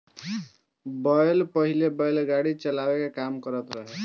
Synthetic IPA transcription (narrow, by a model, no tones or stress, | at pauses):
bəjlpəɦilebəjlɡaɽit͡ʃəlabekekamkəɾət̪ɾəɦe